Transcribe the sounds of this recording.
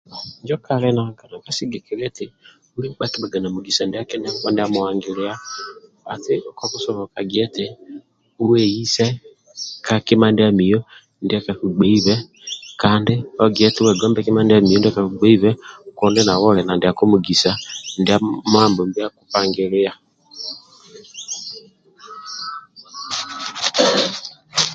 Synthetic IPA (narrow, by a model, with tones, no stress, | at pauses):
ɲd͡ʒɔ˦kaɾɛnaka˨na˨kasiɡekeɾɛ˦te˨ | u˦li˦ba˦ki˦ba˨ɡa˨na˨mu˨ɡisa˨ndi˦a˦ke˦na˦βa˦nde˦amoaŋɡeɾea˦ | a˨te˦kɔku˦sɔ˨βɔ˨kaɡiɛ˦tɛ | u˦wɛ˨i˦sɛ˦ | kake˦ma˦nde˦ami˨jɔ | nde˦a˦ka˨ku˨ɡ͡bɛ˦iβɛ | kaːndiɔɡiɛ˦tɛ˦wɛ˨ɡɔ˦mbɛkimandami˨ɔ˦ndɛ˦kakuɡ͡bɛ˦iβɛkɔ˦ndɛna˨wɔlɛnandiakumuɡi˨sanda˦mambɔ˨mbi˦akupaŋɡeɾɪa˨